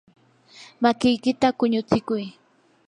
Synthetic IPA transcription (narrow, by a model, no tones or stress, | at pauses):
makɪjkɪt̪akʊɲʊt͡sɪkʊj